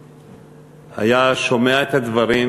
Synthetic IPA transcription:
ha̰jaʃomeaet̪had̪vaɾi

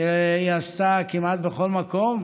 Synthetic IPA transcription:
iast̪akimat̪̚beχolmakom

